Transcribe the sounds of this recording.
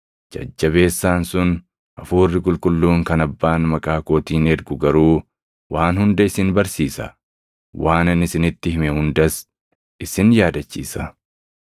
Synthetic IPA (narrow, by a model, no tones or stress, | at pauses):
d͡ʒɐ̰d͡ʒːɐbe̞ːsːaːnsʊn | ʔɐfuːrːɪkʼʊlkʼʊlːuːŋkɐnɐbːaːnmɐkʼaːko̞ːt̪iːnɛɾɡʊɡɐɾuː | wʔaːnhʊnd̪ɐɪsɪnbɐɾsiːsɐ̰ | wʔaːnɪnɪsɪnɪt̪ːɪhɪmɛhʊnd̪ɐs | ɪsɪnjaːd̪ɐt͡ʃːḭːsɐ